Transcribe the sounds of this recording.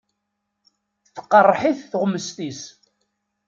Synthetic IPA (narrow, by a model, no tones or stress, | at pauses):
θθə̥qːərˤːħiθθʁʊmːəst̪is